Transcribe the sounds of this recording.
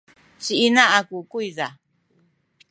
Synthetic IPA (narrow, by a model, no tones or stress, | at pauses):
t͡ʃiʔinãʔakukuiða